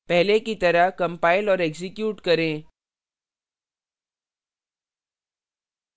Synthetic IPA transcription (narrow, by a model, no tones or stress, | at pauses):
pɛɦlekit̪əɾaɦkɐmpaːilɔːɾeksikjuːʈkəɾẽ